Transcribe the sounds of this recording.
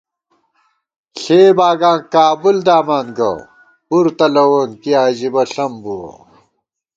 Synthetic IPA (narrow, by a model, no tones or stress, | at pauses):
ɬeːbaːɡãːŋkaːbuld̪aːmaːnɡɐ̰ | buɾt̪ɐlɐwoːnkiaːʑibɐɬɐmbuwɐ̰